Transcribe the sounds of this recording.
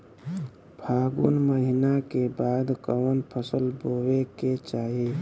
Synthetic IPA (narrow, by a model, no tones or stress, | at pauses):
bʰʱaːɡunməɦɪnakebaːd̪kəʋənpʰəsəlboːweket͡ʃaːɦi